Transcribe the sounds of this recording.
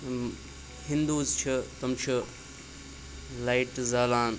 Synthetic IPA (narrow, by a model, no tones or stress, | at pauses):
hĩnd̪uːzt͡ʃʰɐt̪ɐmt͡ʃʰɐ | laːiʈzaːlaːn